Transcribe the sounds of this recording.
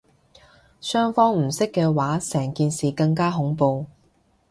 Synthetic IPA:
sœː˥ŋfɔː˥ŋm̩˨˩sɪ˥kːɛː˧waː˨˥sɛː˨˩ŋkiː˨˧nsiː˨kɐ˧ŋkaː˥ɦʊ˨˥ŋpo˧w

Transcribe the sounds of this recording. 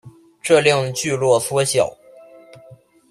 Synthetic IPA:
ʈ͡ʂɤ˥˧ljɑ˥˧˩ŋt͡ɕy˥˧lwɔ˥˩swɔ˥ɕjɑ˨˩˦ʊ

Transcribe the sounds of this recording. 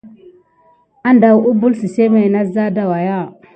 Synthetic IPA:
a˦nda˨wu˦bu˦lsi˨se˦me˨na˦za˦da˨wa˨ja˦˨

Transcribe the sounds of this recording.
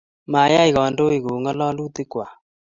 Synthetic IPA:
ma˨ja˦i˨ɣɔ˨ndo˦i˨ɣo˨ŋɔ˦lɔ˦lu˦t̪ɪ˦kwa˨

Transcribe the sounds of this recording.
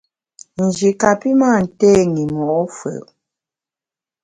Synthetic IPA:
n̩˨d͡ʒi˨ka˨pi˦ma˦˨n̩˨tɛ˦ŋi˨mɔ˨˦fə̰˨

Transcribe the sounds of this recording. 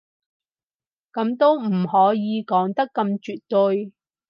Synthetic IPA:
kɐ˨˥mt̪o˥wm̩˨˩hɔː˨˥jiː˨˧kɔː˨˥ŋt̪ɐ˥kːɐ˧mt͡ʃyː˨t̚t̪ɵ˧j

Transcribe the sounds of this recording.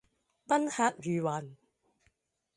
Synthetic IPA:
pɐ˥nhaː˧t̚ɥyː˨waː˨n

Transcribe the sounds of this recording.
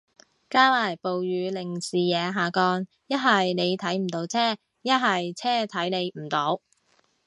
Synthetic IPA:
kaː˥laː˨˩jpo˨wjyː˨˧lɪ˨˩ŋsiː˨˩jɛː˨˧ɦaː˨kɔː˧n | jɐ˥t̚ɦɐ˨jne˨˧jt̪ʰɐ˨˥jm̩˨˩t̪o˨˥wt͡sʰɛː˥˩ | jɐ˥t̚ɦɐ˨jt͡sʰɛː˥t̪ʰɐ˨˥jne˨˧jm̩˨˩t̪o˨˥w

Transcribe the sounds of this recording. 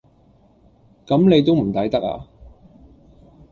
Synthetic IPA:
kɐ˨˥mne˨˧jt̪̬o˥wm̩˨˩t̪ɐ˨˥jt̪ɐ˥k̚a̰ː˧

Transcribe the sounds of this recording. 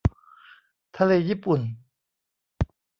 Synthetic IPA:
t̪ʰa˧leː˧jiː˦˥˩pu˨˩n

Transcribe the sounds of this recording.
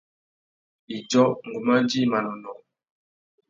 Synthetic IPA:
i˨d͡ʒɔ˦ŋ̩˨ɡu˨ma˦di˦˨ma˨nɔ˨nɔ˨

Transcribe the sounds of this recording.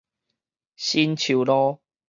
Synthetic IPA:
ɕi˦nt͡ɕʰu˨˩˨lɔ˦

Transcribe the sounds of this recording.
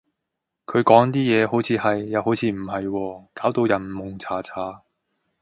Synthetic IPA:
kʰɵ˨˧ɥkɔː˨˥ŋt̪iː˥jɛː˨˧ɦo˨˥wt͡sʰiː˨˧hɐ˨jːɐ˨˧who˨˥wt͡sʰiː˧m̩˨˩hɐ˨jwɔː˧kaː˨˥wt̪o˧wjɐ˨˩nmʊ˨˩ŋt͡sʰaː˨˥t͡sʰaː˨˥

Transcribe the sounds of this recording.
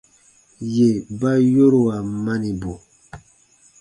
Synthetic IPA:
je˨ba˦jo˦ɾo˨a˨ma˦ni˨bo˨

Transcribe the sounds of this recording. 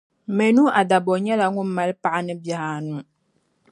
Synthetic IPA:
me˨nu˦ʔa˨da˨bɔ˨ɲɛ˦la˨˦ŋu˦m˦ma˨˦lpa˨ʔa˦nɨ˦bja˨ha˨nu˦˨

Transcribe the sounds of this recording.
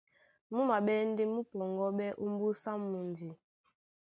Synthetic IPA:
mu˦ma˨ɓɛ˦n˦de˦mu˦pɔ˨ŋɡɔ˦ɓɛ˦ʔu˦m˦bu˦sa˦mu˨n˨di˨

